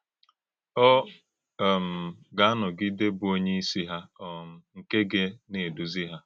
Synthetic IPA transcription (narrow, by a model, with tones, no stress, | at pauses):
ɔ˦˨ | m̩˨ɡa˨a˦nʊ˨ɡi˦de˦bʊ˨o˦ɲe˦i˦si˦ɦa˦ɔ˨m̩˦ŋ̩˨ke˦ɡe˦ne˨du˨zi˦ɦa˦